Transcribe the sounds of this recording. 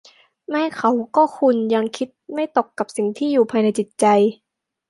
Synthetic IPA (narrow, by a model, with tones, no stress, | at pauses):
mɛː˧˥˩kʰa˨˦wkɔː˥˩kʰu˧nja˧ŋkʰi˦˥t̪̚ma˥˩jt̪o˨˩kːa˨˩p̚si˨˩ŋt̪ʰiː˥˩juː˨˩pʰaː˧jna˧jt͡ɕi˨˩t̪̚t͡ɕa˧j